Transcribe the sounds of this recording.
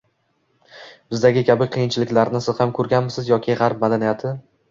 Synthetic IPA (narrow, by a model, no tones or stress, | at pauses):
b̥ɪzd̪aɡʲɪkʲʰabɪqʰɨjɪnt͡ʃʰɪlɪkʲlaɾnɪsɪz̥hamkʰɵɾɡʲanmɪsɪzjɒkʲʰɪʁɑɾpmad̪anijat̪ʰɪ